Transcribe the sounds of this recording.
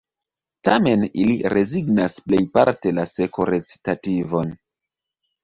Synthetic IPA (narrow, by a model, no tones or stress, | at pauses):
tame̞niliɾe̞ziɡnasple̞jpaɾte̞lase̞ko̞ɾe̞t͡si̥tativo̞n